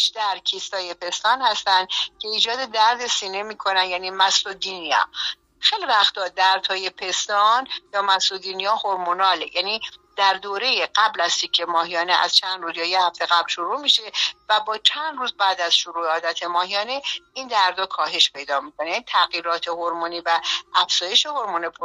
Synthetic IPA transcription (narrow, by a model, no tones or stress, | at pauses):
ʃd̪æɾcʰist̪ɒːjepʰe̞st̪ɒːnhæst̪ænd̪cʰe̞iːd͡ʒɒːd̪e̞d̪æɾd̪e̞siːne̞miːkʰo̞nænjæniːmæsod̪iːnijɒ̰ː | xejlivæxt̪ʰɒːd̪æɾd̪hɒːje̞pʰe̞st̪ɒːnjɒːmæsod̪iːnijɒhoɾmonɒːle̞̰jæːniːd̪̥æɾd̪oːɾe̞jeɢæblæz̥t̪ʰicʰːe̞mɒːɦijɒːneʔæ̰z̥t͡ʃʰænd̪ɾuːzjɒːjehæft̪e̞ɣæblʃoɾuːmiʃe̞væbɒːt͡ʃʰænd̪ruːzbæːd̪æz̥ʃoɾuːeɒːd̪æt̪ʰe̞mɒːɦijɒːne̞ind̪æɾd̪ɒːkʰɒːɦe̞ʃpʰe̞jd̪ɒːmiːkʰonejænit̪ʰæɣiːɾɒːt̪ʰe̞hoɾmuniːvæʔːfz̥ɒːje̞ʃe̞ho̞ɾmonepʰ